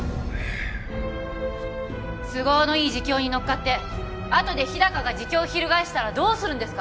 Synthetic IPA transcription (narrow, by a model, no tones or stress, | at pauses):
sɨɡo̞ːno̞iːʑikʲo̞ːɲ̟ino̞kːat̪ːe̞ | at̪o̞d̪e̞çid̪akaɡad͡ʑikʲo̞ːçiɾɯ̟ɡaeɕi̥t̪aɾad̪o̞ːsɨɾɯ̟̃nd̪e̞sɨ̥ka